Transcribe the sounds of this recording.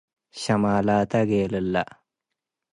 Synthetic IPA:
ɕɐmaːlaːt̪ɐɡeːlɐlːɐ̰

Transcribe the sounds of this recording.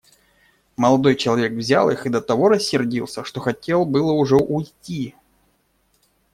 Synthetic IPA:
məlˠɐd̪o̞jt͡ɕɪlˠɐvʲe̞kvzʲalˠɨxɨd̪ət̪ɐvo̞ɾəsʲːɪrdʲilˠsʲəʂt̪o̞xɐtʲe̞lˠbɨlˠəʊʐɛʔʊjtʲi

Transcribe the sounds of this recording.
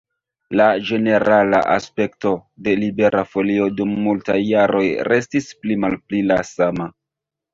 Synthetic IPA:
lad͡ʒe̞ne̞ɾala̰ʔa̰spe̞kto̞de̞libe̞ɾafo̞lio̞dumːultajːaɾo̞jɾe̞stisplimalplilasama

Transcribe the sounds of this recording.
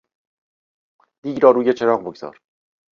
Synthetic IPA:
d̪̥iːɟɾɒːɾuːjet͡ʃʰe̞ɾɒːɣboɡz̥ɒ̰ːɾ

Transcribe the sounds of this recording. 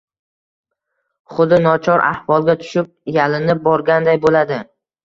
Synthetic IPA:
χʊd̪ɪnɒt͡ʃʰɒɾa̰hvɒlˠɡʲat̪ʰʊ̥ʃɪp̚jalɪnɪp̚bɒɾɡʲand̪ajbolad̪ɪ

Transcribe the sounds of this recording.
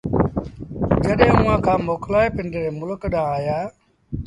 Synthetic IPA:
d͡ʒəɗɦẽːʊːãːkʰãːmoːklaːeːpɪɳɖeɾeːmʊlkɗãːaːjaː

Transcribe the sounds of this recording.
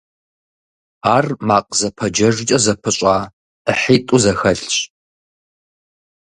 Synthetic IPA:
aːrmaːqʼzɐpʰɐd͡ʒɐʐt͡ʃʼɐzɐpʰɨɕʼaː | əħiːtʼuzɐxɐɬɕʼ

